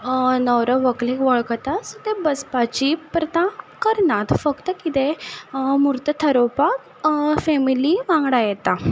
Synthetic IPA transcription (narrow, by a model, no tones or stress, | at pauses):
nəwɾəʋəklekʋəɭkət̪asət̪ebəspat͡ɕipɾət̪ãkəɾnat̪fəkt̪əkit̪e | muɾt̪ət̪ʰəɾopak | fɛmiliʋãŋɡɽajɛt̪a